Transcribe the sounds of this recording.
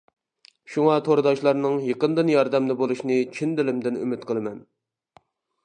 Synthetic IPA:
ʃuŋɑt̪ʰoɾɨd̪ɑʃlˠɑɾnɨŋjəqənd̪ɨnjɑɾd̪ɛmd̪ɪbolˠuʃnɨt͡ʃʰind̪ɪlɪmd̪ɪny̰mɪt̪qʰəlˠɨmɛn

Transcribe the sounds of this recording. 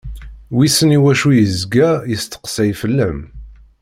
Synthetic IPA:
wisəniwæʃujəzɡæjəst̪ə̥qsæjfəlːæm

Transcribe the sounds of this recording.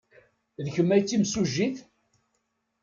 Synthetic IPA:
ðçəmːæjt͡sːimsuʒːiθ

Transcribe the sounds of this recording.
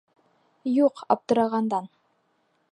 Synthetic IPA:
juqɑ̰p̚t̪ɤ̆ɾɑʁɑnd̪ɑn

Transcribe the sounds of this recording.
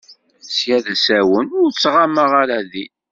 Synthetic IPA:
sjæðæsæwənʊɾt͡sːʁaməʁaɾæði

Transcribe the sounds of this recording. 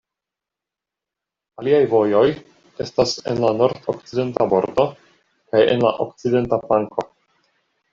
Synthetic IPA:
aliajvo̞jo̞j | e̞stase̞̰nlano̞ɾdok̚t͡side̞ntabo̞̰ɾdo̞ | kaje̞̰nla̰ʔo̰kt͡side̞ntaplaŋko̞

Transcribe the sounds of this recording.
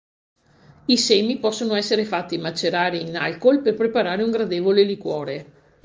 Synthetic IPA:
isɛːmipɔsːonoɛsːeɾefat̪ːimat͡ʃːeɾaːɾiːnalkolperpɾepaɾaːɾeuŋɡɾad̪eːvolelikwɔːɾe

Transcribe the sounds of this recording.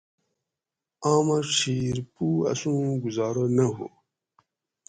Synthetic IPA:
aːmaʂiːɾpuɐ̰sũːɡuzɑːɾonɐɦṵ

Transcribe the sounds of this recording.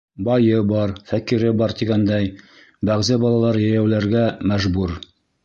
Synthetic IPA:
bɑjɤbɑɾfækiɾɘbɑɾt̪iɡænd̪æj | bæʁzæbɑlˠɑlˠɑɾjæjæwlæɾɡæmæʒbuɾ

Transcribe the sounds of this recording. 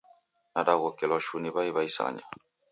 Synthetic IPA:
nadaɣɔkɛlɔʃunibaiβaisa̰ɲa

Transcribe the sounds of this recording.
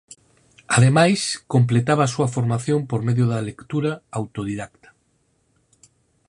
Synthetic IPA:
aðemajskomplet̪aβaːsuɐfoɾmaθjompoɾmeðjoðalekt̪uɾaawt̪oðiðakt̪ḁ

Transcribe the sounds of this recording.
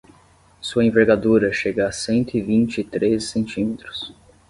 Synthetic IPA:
suɐẽveɾɡad̪uɾɐʃeɡɐasẽnt̪ʊɪvĩnt͡ʃɪɪt̪ɾezsẽnt͡ʃĩmet̪ɾʊ̥s

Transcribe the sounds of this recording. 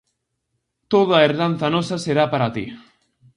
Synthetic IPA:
t̪oðaeɾðan̟θɐnɔsɐseɾapaɾat̪ḭ

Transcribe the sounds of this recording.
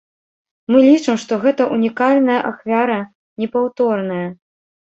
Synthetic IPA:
mɨlʲit͡ʂɨmʂt̪ɔɣɛt̪ɐʔunʲikalʲnɐjɐʔaxvʲaɾɐ | nʲɛpawt̪ɔrnɐjɐ

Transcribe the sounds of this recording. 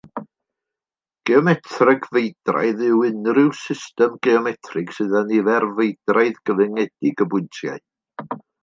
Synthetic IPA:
ɡ̥eɔmɛtʰrɪɡvejdra̰jðɪwɪnrɪwsɪstɛmɡ̥eɔmɛtʰrɨɡ̥sɨðanivɛrvejd̥rajðɡ̥əvɛŋɛd̥ɪɡəbʊntʰja̰ɨ

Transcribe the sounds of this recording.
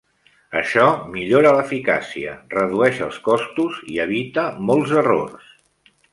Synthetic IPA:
əʃɔmiʎoɾələfika̰siə̰rəðuɛʃəlˠskɔst̪uziəβit̪əmɔlˠzəro̰rs

